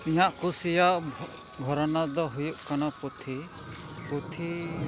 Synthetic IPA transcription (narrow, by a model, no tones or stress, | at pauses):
ijaʔkusijaʔ | bʱɔɾɔnad̪ɔɦujuʔkanaput̪ʰi | put̪ʰi